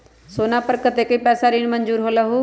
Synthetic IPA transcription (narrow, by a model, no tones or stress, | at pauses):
soːnaːpəɾkət̪ekəiːpɛːsaːɾiːnmənd͡ʒuːɾɦoːlaɦoː